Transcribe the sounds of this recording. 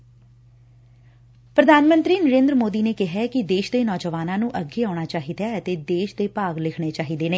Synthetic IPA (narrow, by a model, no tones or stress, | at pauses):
pɾəd̪ʱaːnmə̃nt̪ɾiːnəɾẽːnd̪ɾəmoːd̪iːneːkɪɦɛkɪd̪eːʃd̪eːnɔːd͡ʒəʋaːnãːnũːʔəɡeːaːɽ̃aːt͡ʃaːɦiːd̪aːət̪eːd̪eːʃd̪eːpaːɡlɪkʰɽ̃eːt͡ʃaːɦiːd̪eːneː